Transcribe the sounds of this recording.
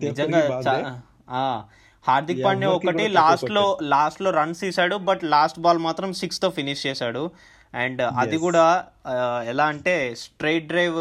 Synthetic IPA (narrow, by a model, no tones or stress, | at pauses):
nid͡ʒɐŋɡaːt͡ʃa | aː | haːɾd̪ik̚pɐɳneːɔkkɐʈilaːsʈloːlaːsʈlo̞ːɾɐnsiːsaːɽubɐʈlaːsʈbaːlmaːt̪ɾɐmsikst̪oːpʰiniʃt͡ʃɛːsaːɽu | ɛɳɖɐd̪iɡuːɽaː | ɛlaːɐɳʈe̞ːsʈɾejʈ̚ɖɾɐjʋ